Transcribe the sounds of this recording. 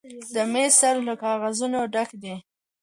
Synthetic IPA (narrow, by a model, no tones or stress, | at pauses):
d̪əmesaɾləkɑɣazunoɖakd̪i